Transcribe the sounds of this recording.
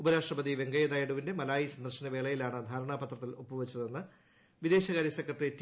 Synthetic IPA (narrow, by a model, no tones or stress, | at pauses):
ubɐɾaːʂʈrɐbɐd̪iʋe̞ŋɡɐjɐðaːjɐɽuʋinde̞mɐlaːjisɐnd̪ɐrɕɐnɐʋe̞ːɭɐjilaːɳɨd̪ʱaːɾɐɳaːpɐt̪rɐt̪ːilopːuʋɐt͡ɕːɐðenːɨ | ʋid̪e̞ːɕɐɣaːɾjɐsekʰːɐʈrietː